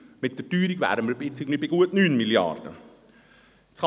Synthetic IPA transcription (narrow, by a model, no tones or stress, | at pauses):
mɪt̚d̥̪əd̥yːɾiɡvæ̰ːɾdəməɾbɪt͡sɪɡnibɪɡ̥uətnyːnmiljɑ̰rd̥̪ə̰ | t͡s